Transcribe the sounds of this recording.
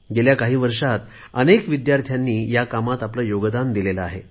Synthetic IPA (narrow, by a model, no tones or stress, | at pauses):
ɡeljakaɦiːʋəɾʂat̪ | ənekʋid̪jaɾt̪ʰjanːiːjakamat̪apləjoɡd̪and̪ilelaːɦe